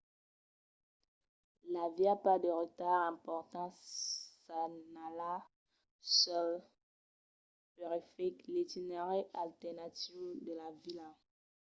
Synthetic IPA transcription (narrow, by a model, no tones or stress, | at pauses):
laviapad̪əʁət̪aʁɛ̃pɔʁt̪ɑ̃sanala | sɔl | pɛʁɛfɛklet̪ineʁɛalt̪ɛʁnat̪ivd̪əlavila